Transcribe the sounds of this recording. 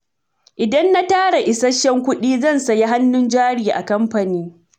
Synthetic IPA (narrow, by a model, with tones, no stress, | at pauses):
ʔɪ˨dɐ˦nːa˦taː˦ɽa˨ʔɪ˨sɐ˦ʃɛ˦ŋkʷʊ˦ɗiː˦zɐ˦˨nsɐ˨ja˦ɦa˦nːʊ˦nd͡ʒaː˦ɽiː˨ʔa̰˨kɐ˦mɸɐ˨niː˦